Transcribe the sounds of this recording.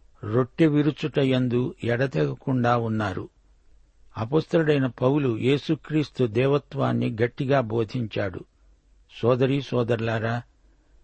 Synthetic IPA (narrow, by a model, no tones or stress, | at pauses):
ɾo̞ʈːeʋiɾut͡ʃuʈɐjɐnd̪uɛɽɐt̪ɛɡɐkuɳɖaːunːaːɾṵ | ɐpoːst̪ɐluɽɐjnɐpɐwulujʔe̞ːsukɾiːst̪ud̪ɛːʋɐt̪ʋa̰ːnːiɡɐʈːiɡaːbo̞ːd̪ʱiɲt͡ʃaːɽṵ | sɔːd̪ɐɾiːsɔːd̪ɐɾlaːɾaː